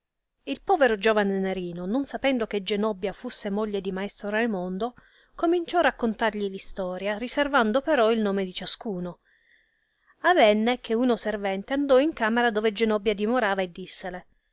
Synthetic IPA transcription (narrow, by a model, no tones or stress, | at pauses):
ilpɔːveɾod͡ʒoːvaneneɾiːnononsapɛnd̪ok̟ed͡ʒenɔbːjafusːemoʎːed̪imaest̪ɾoɾajmond̪o | komint͡ʃɔrakːont̪arʎilist̪ɔːɾjariservand̪opeɾɔilnoːmed̪it͡ʃaskuːno | avɛnːek̟ʰeunoservɛnt̪eand̪ɔiŋkaːmeɾad̪oːved͡ʒenɔbːjad̪imoɾaːvaed̪ːisːele